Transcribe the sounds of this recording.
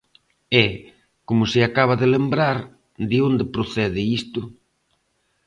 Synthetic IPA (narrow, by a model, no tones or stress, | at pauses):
ɛ | komʊsɪakaβ̞aðelembɾaɾ | d̪ɪond̪ɪpɾoθɛðɪist̪ʊ